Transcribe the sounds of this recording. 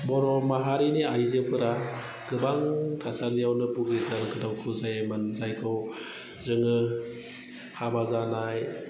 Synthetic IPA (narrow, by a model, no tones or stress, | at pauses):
bɔɾɔmaɦaɾiniajzɯpɯɾa | ɡ̥ɯbaŋtʰasanijawnɯbuɡetalkʰɯdawkʰɯzajemɯnzajkʰɯw | zɯŋɯ | habazanaj